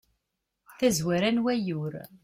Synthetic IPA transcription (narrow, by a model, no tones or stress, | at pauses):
θæzwæɾænwæjʊɾ